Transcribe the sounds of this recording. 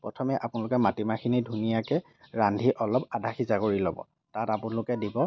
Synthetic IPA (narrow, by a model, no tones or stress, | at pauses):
pɹɔtʰɔmɛʔapʊnalʊkɛmatimaxinidʱunijakɛ | ɹandʱiʔɔlɔpadʱaxizakoɹilobɔ̰ | tatapʊnalʊkɛdibɔ